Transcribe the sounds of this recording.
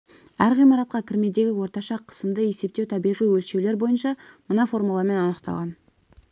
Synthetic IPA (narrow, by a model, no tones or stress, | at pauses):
æɾʁijmɑɾɑt̪̚qɑkʲʰɪɾme̞d̪e̞ɡʲɪwo̞ɾt̪ɑʃɑqʰə̥səmd̪əje̞se̞p̚t̪ewt̪ʰɑbijʁijwɵlʃe̞wle̞ɾbo̞jənʃɑmənɑfo̞rmulˠɑme̞nɑnəqt̪ɑ̰lˠʁɑn